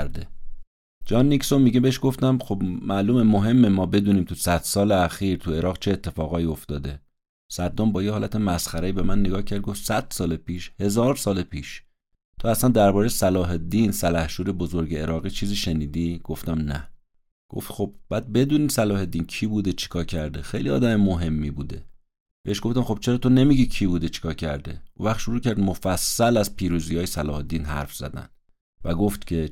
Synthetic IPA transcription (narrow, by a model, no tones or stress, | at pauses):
ɾd̪e | d͡ʒɒːnːicsomiɟebeeʃɡ̥oft̪æmχo̞bmæʔluːmemoɦe̞mːemɒːbe̞d̪uːniːmt̪ʰusæd̪̥sɒːleæxiːɾt̪ʰue̞ɾɒːɣt͡ʃʰeːt̪ʰːe̞fɒːɣɒːiːo̞ft̪ɒːd̪e̞ | sæd̪ːombɒːjehɒːlæt̪ʰemæsxæɾeiːbe̞mænːeɡɒːhcʰæɾd̪̚ɡoft̪sæd̪̥sɒːlepʰiːʃhe̞zɒːɾsɒːlepʰiːʃ | t̪ʰoæslænd̪æɾbɒːɾejsælɒːɦe̞d̪iːnsælæhʃuːɾe̞bozoɾɟeeɾɒːɣiːt͡ʃʰiːziːʃeniːd̪iːɡ̥o̞ft̪æmnæ̰ | ɡ̥o̞̰ft̪xo̞bb̥æːd̪̚be̞d̪uːniːsælɒːhe̞d̪iːncʰiːbuːd̪et͡ʃʰe̥kʰɒːcʰæɾd̪exejliɒ̰ːd̪æmemoɦe̞mːibuːd̪e̞ | beeʃɡ̥o̞ft̪æmχo̞b̥̚t͡ʃʰe̞ɾɒːt̪ʰone̞miɟiːcʰibuːd̪et͡ʃʰi̥kʰɒːcʰæɾd̪e̞̰ʔṵ̃væχt̪ʃoɾuːcæɾd̪mo̞fæsːælæzpʰiːɾuːziːjɒːjesælɒːhed̪iːnɦæ̰ɾfz̥æ̰d̪æ̰n | væɡo̞ft̪cʰe̞